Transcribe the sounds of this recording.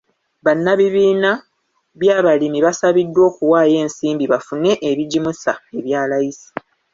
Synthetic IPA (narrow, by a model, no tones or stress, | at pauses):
βanːaβiβiːna | βjaːβalimiβasaβidːwo̞ːkuwaːje̞ːnsiːmbiβafune̞ʔeβiɟimusaeβjaːlajisi̥